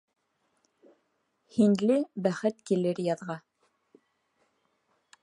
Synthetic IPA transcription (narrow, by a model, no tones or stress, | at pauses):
hinlɘbæχɘt̪̚kilɘɾjɑðʁɑ